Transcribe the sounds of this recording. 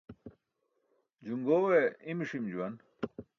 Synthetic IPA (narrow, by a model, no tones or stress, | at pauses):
d͡ʑuŋɡoːweimiʂimd͡ʑuwɐn